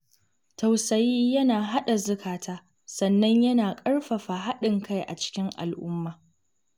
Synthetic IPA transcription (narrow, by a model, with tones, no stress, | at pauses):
tɐ˨wsɐ˨jiː˦jɐ˦naː˨ɦa˦ɗa˨zʊ˦kʰaː˨tʰaː˦ | sɐ˨nːɐ˦ɲjɐ˦naː˨kʼɐ˦ɽɸɐ˨ɸa˨ɦa˦ɗɪ˨ŋka˦jʔa̰˨t͡ʃɪ̥˦kʲɪ˦ŋʔa̰˨lʔʊ˦mːaː˨